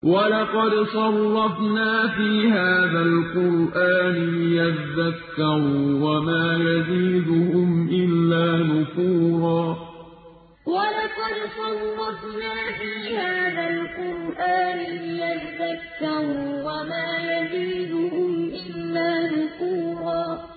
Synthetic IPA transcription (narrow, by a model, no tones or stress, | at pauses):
walɑqɑd̪sˤɑlːɑtnaːfiːhaːðalqʊɾʔaːnɪlɪjat̪aðakːaɾuːwamaːjaziːd̪ʊhʊmʔɪlːaːnʊquːɾˤɑː | walɑqɑd̪sˤɑlːɑt̪naːfiːhaːðalqʊɾʔaːnɪlɪjat̪aðakːɑɾuːwamaːjaziːd̪ʊhʊmʔɪlːaːnʊquːɾˤɑː